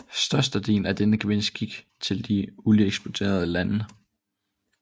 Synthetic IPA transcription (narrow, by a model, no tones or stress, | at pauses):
sd̥ɶɐsd̥əd̥e̝̰ːnæd̥enəɡ̥ʋensɡ̥iɡ̥ | t͡sʰe̝ld̥iulieɡ̥sb̥ot͡sʰe̝̰ːɐð̞ˠəlæn